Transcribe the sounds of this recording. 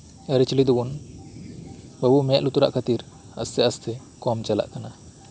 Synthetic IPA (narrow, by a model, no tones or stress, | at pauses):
ɛɾit͡ʃilid̪ubun | bəbuʔmɛʔlut̪uɾa̰ʔkʰat̪iɾ | əst̪ɛəst̪ʰɛ | kɔmt͡ʃɛla̰ʔkana